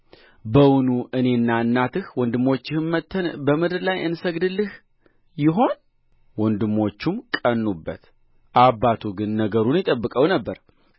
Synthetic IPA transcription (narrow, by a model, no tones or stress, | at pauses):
bəwʊnuʔɨne̞nːaɨnːat̪ɨhwɔnd̪ɨmːo̞t͡ʃːɪhɨnmət̪ʰːənbəmɨd̪ɨɾlajʔɨnsəɡd̪ɨlːɨh | jɪɦo̞n | wɔnd̪ɨmːo̞t͡ʃːumkʼənːubːə̰t̪ | ʔabːat̪ʰuɡɨnːəɡəɾunjɪt̪ʼəbːɨkʼəwnəbːəɾ